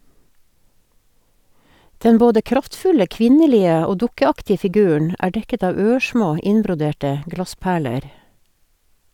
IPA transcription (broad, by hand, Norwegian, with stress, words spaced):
ˈdɛn ˈboːdə ˈkɾɑftˌfʉlə ˈkʋɪnəˌliːə ˈoː ˈdʊkəˌɑktɪə fɪˈɡʉːəɳ ˈæː ˈɖɛkət ˈɑːʋ ˈøːˌʃmoː ˈɪnbɾʊˌdeːʈə ˈɡlɑˌspæːɭəɾ